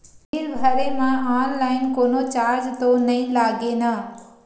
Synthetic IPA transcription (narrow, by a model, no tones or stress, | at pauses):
ɾbʱɐɾemãaːnlaːɪnkoːnot͡ɕaːɾd͡ʒt̪onɐĩlaːɡenɐ